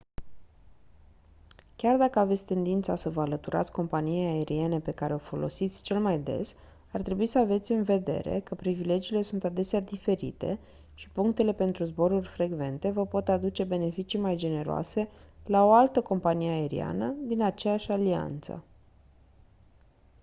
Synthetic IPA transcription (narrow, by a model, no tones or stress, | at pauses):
kʲard̪akəave̞t̪sʲt̪e̞nd̪int̪sasəvəalət̪uɾa̰t̪sʲko̞mpanijeae̞ɾie̞ne̞pe̞kaɾe̞o̞fo̞lʔo̞̰sit̪sʲt͡ʃe̞lmajd̪e̞̰s | art̪ɾe̞buisəave̞t̪sʲɨnve̞d̪e̞̰ɾe̞̰kəpɾivile̞d͡ʒiːle̞sunt̪ad̪e̞sead̪ife̞ɾḭt̪e̞̰ | ʃi̥puŋk̚t̪e̞le̞pe̞nt̪ɾuzbo̞ɾurʲfɾe̞ɡve̞nt̪e̞vəpo̞t̪ad̪ut͡ʃe̞be̞ne̞fit͡ʃijmajd͡ʒe̞ne̞ɾoa̰se̞lao̞alt̪əko̞mpanijeae̞ɾḭa̰nəd̪inat͡ʃejaʃʲalia̰nt̪sə̰